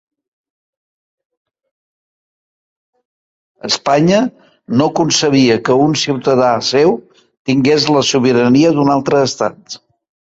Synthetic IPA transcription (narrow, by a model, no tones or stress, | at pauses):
əspaɲə | nokunsəβ̞iəkəunsiwt̪əð̞asew | t̪iŋɡezləsuβ̞iɾəniəðunalˠt̪ɾəːst̪a̰t̪